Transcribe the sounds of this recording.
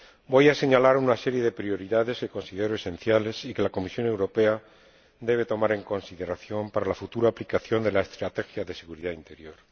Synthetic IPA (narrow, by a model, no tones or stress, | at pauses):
bo̞jase̞ɲalaɾunase̞ɾje̞ðe̞pɾio̞ɾiðaðe̞ske̞ko̞nsið̞eɾoesẽ̞n̟θjale̞sike̞lako̞misjo̞ne̞wɾo̞pe̞a | d̪e̞β̞e̞t̪o̞maɾe̞ŋko̞nsiðe̞ɾaθjo̞mpaɾalafut̪uɾaːplikaθjo̞nd̪e̞laest̪ɾat̪e̞xjaðe̞se̞ɣuɾiðaint̪e̞ɾjo̞ɾ